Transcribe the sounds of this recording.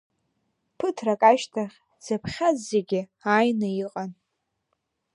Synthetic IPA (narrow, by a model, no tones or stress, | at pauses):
pʰɨtʰrakʼaʃtʰaχʲ | z̥apʰχʲazːeɡʲɪajnɨiqʼan